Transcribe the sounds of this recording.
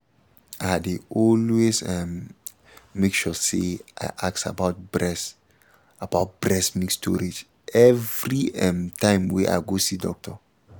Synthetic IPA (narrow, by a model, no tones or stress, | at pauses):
adeɔlwesɛmː | ekʃɔseʔa̰ɪʔak̚sa̰baʊt̚bɹɛs | abaʊt̚b̥ɹɛsmĩkstʰɔ̰ɾed͡ʒ | ʔɛvɾiɛ̃mtãɪ̃mwɛʔa̰ɪɡosidɔ̰k̚tʰɔ